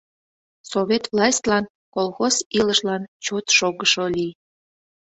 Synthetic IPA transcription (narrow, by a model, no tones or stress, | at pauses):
soβʲet̪vlɑsʲt̪ʲlɑn | kolˠxosiləʃlɑnt͡ɕot̪ʃoɣəʃolij